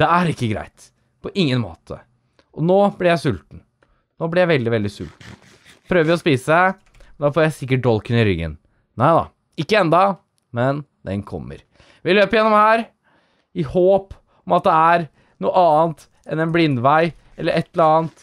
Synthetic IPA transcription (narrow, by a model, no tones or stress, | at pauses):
d̪̥ɛæɾɪkːəɡɾæ̰ɪt̪ | pʰɔʔɪŋːənmo̰ːt̪ʰə̰ | ʔɔnoːblɪɾjæɪsʉlt̪n̩ | noːblɪɾjæɪʋɛld̪ɪʋɛld̪ɪsʉ̰lt̪n̩ | pʰɾøːʋəʋɪɔspiːsəsæ | mnd̪ɑfoːɾjæɪsɪk̬ːəʈ̚d̪ɔlkənɪɾʏ̰ɡːə̰n | næɪd̪ɑ̰ | ɪkːəɛnd̪ɑ | mɛnd̪ɛ̰nkʰɔ̰mːə̰ɾ | ʋɪløːpəɾjɛnːɔmhæːɾ | ɪhoːp | ɔmɑt̪̚d̪ɛæɾ | nuːəɑːənt̪ | ɛnɛnblɪnd̪ʋæɪ | ʔɛlːəɾɛt̪ːəɾɑːnt̪